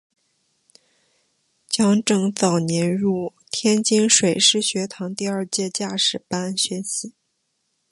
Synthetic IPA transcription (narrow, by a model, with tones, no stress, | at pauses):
t͡ɕjɑ˥ŋʈ͡ʂɤ˥˩ŋt͡sɑ˨˩ʊnjɛ˧˥nɻu˥˩t̪ʰjɛ˥nt͡ɕi˥nʂwe˨˩ɪʂɻ̩˥˩ɕɥɛ˧˥t̪ʰɑ˧˥ŋt̪i˥˧ɐ˞˥˧t͡ɕjɛ˥˧t͡ɕja˥˩ʂɻ̩˨˩pa˥nɕɥɛ˧˥nɕi˨˩˦